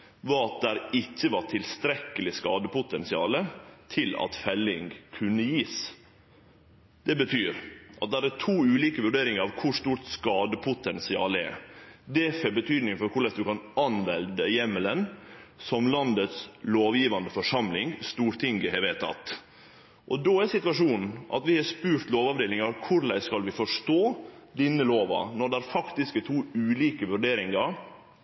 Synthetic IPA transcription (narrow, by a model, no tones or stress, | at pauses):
ʋɑːɑt̪̚d̪æɾɪçːəʋɑʈʰɪlst̪ɾɛkəlɪskɑːd̪əpʊt̪ɛnsɪɑ̰ːlət̪ʰɪlɑ̰t̪fɛlːɪŋkʰʉnːəjiːs | d̪̥ɛbət̪ʰyːɾʔɑt̪̚d̪æɾɛtʰuːʉːliːkəʋʉɖeːɾɪŋəɾɑʋkʰʊʂt̪uːt̪skɑːd̪əpʰʊt̪ɛnsɪɑ̰ːlɛ̰ɾd̪ɛfɛbət̪ʰyːd̪nɪŋfɔɾkʰʊɭɛsd̪ʉkɑnɑnʋɛld̪əjɛmələnsɔmlɑnd̪ət̪sloːʋjiːʋɑnd̪əfɔʂɑmlɪŋst̪uːɾt̪ʰɪŋɡəɦɛɾʋeːt̪ʰɑ̰t̪ | ʔɔd̪oːæsɪt̪ʉʋɑʂuːnn̩ʔɑ̰t̪ʋɪhɑspʉːɾt̪loːʋɑʋd̪eːlɪŋɑɾkʰʊɾlæɪskɑlʋɪfɔʂʈoːd̪ɪnːəloːʋɑ̰nɔɖɛæɾfɑkt̪ɪskət̪ʰuːʉːliːkəʋʉɖeːɾɪŋɑɾ